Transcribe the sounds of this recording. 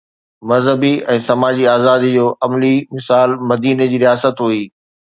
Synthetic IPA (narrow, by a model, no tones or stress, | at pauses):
mɐzɦəbiɛ̃ːsɐmaːd͡ʑiaːzaːd̪id͡ʑoːʔɐmlimɪsaːlmɐd̪iːned͡ʑiːɾijaːsət̪ɦuiː